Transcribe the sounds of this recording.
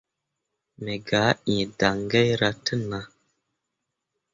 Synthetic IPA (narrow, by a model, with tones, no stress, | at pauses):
me˨ɡa˨˦ĩ˨da˨ŋɡe˦jɾa˦tə˦nːa˨˦